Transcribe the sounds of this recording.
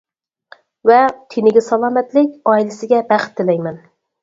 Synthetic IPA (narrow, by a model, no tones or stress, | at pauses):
vɛt̪ʰenɪɡʲɪsɑlˠɑːmɛt̪lɪkʲɑilɪsɪɡʲɛbæχt̪ʰːɪlɛjmɛn